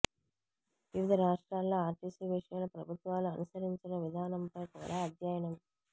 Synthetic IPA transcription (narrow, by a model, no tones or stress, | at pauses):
ʋiʋid̪ʱɐɾaːʂʈɾaːlːoːaːɾʈiːsiʋiʂɐjɐlɐpɾɐbʱut̪ʋaːluɐnusɐɾiɲt͡ʃinɐʋid̪ʱaːnɐmpɐjkuːɽaːɐd̪ʱjaːjɐɳɐm